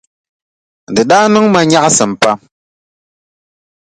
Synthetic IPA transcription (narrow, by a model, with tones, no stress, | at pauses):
dɨ˨ɗaː˦nɨ˦ŋma˨ɲa˦ʔsɨ˨m̩˨pa˦